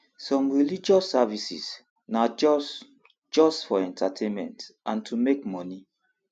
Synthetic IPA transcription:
sɔ̃mɹilid͡ʒɔsavisḭs | na | d͡ʒɔstfɔɛ̃ntʰatʰẽnmɛ̰̃ntʔãntʰumek̚mɔni

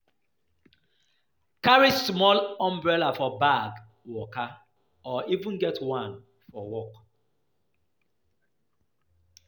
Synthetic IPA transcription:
kaɹismɔlɔ̃mbɹɛlafɔbaɡ | wɔka | ɔʔivũnɡɛtwãn | fɔwɔk

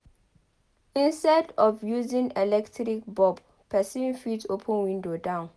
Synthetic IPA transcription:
ĩnstɛdɔfjuzĩŋɛlɛktʰɾik̚bɔb | pʰːɛsĩnfitʰopʰə̃nwĩndodãʊ̃n

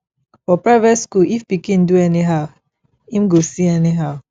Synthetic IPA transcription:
fɔpɹaɪvɛtskuifbikĩnduɛniɦaʊ | ĩmɡosiɛniɦaʊ

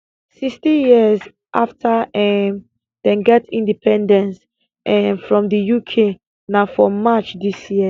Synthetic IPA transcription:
sikstijiəz | ʔaftʰaɛm | d̥ɛ̃nɡɛtĩndipʰɛ̃ndɛ̃ns | ʔɛmfɹɔ̃mdəjukʰe | nafɔmat͡ʃdisji

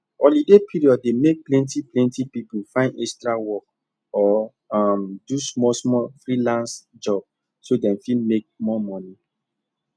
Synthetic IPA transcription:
ɔlidepʰiɹiɔd̚ːemek̚plɛ̃ntiplɛ̃ntipipufãɪ̃ndɛkstɹawɔk | ɔ | amdusmɔsmɔfɹilãnsd͡ʒɔb̥̚ | sodɛ̃nfĩmek̚mɔmɔni

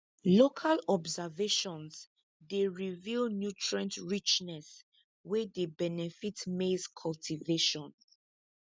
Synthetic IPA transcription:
lokʰalɔbzaveʃɔ̃ns | deɹivilnjutʰɹãntɹit͡ʃnɛs | wɛdebɛnɛfitmeskʰɔltʰiveʃɔ̃n

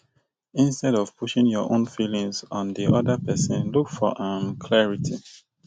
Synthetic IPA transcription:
ĩnstɛɾɔv̥puʃĩŋjɔʔõ̰nfilĩŋzɔ̃ndiʔɔdəpɛsə̃nlukfɔʔãmkʰlɛɹitʰi

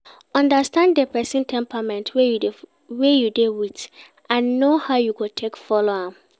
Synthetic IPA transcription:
ɔ̃ndastãnddepɛsĩntʰɛ̃mpamɛ̃ntʰwej | wejudewit | ãnːohaʊjukutʰekfɔloa

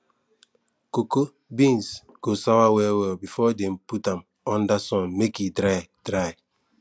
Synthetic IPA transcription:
koko | bĩns | ɡ̥osawawɛwɛlbifɔdɛ̃mputãm | ɔ̃ndasɔ̃nmekidɾajdɾaj

